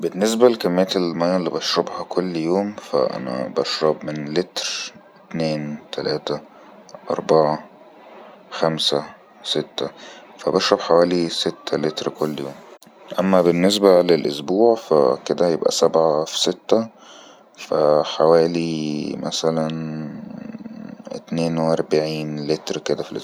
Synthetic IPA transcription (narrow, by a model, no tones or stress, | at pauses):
benːes̬bælekæmːejːæt̪elmæjːæʔlːibɑʃɾˤɑbhɑkʰolːjoːmfæ̰ʔæ̰næ̰bæʃɾˤɑbmenlet̪ɾet̪neːnt̪ʰælæːt̪æ | ʔɑ̰ɾˤbaʕɑ | xæmsæ | set̪ːæfæbɑʃɾˤɑbħawæːliset̪ːælet̪ɾkolːjoːm | ʔæmːæbenːes̬bælelʔosbuːʕfæ̰ked̪æjebʔæ̰sæbʕafi̥set̪ːæ | fæħawæːlimʔæsælæn | ḛt̪neːnweʔɑɾˤbʕiːnlet̪ɾked̪æfilʔos